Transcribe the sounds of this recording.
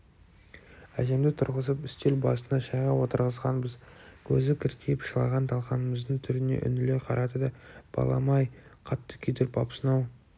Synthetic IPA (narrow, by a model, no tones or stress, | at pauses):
æ̰ʒe̞md̪ɪt̪ʰʊɾʁəsəpʏst̪e̞lbɑsənɑʃɑjʁɑwo̞t̪əɾʁəzʁɑnbəzkʲʰɵzɪkʲʰɪɾt̪ejɪpʃəlˠɑʁɑnt̪ʰɑlˠqɑnəməzd̪əɴt̪ʰʏɾɪne̞̰ʔʏ̰nɪle̞qʰɑɾʔɑt̪əd̪ɑb̥ɑ̰lˠɑ̰mɑjqʰɑt̪ːə̥kʲʰʏd̪eɾpʰɑpsənɑw